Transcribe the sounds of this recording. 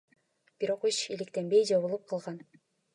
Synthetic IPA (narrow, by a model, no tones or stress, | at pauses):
b̥iɾo̞qeʃilikt̪enbejd͡ʒɑβɯlˠɯp̚qʰɑlˠʁɑn